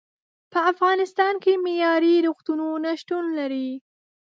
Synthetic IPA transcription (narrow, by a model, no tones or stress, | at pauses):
pəafɣɑnɪst̪ɑnkemejɑɾiɾuxt̪unonaʃʈunlaɾi